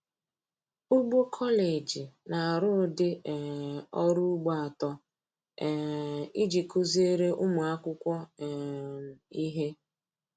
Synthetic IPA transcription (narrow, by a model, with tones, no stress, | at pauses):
ʊ˦ɡ͡bo˦kʰɔ˦le˨d͡ʒi˨na˨a˨ɾʊ˦˨dɪ˦˨ | ɔ˦ɾu˦ɡ͡bɔ˦a˨tɔ˦ | ɛ˨i˦d͡ʒi˨kʊ˦ze˦ɾe˦ʔʊ˦mʊ˨a˦kʷʊ˦kʷɔ˦˨ | i˦ɦe˦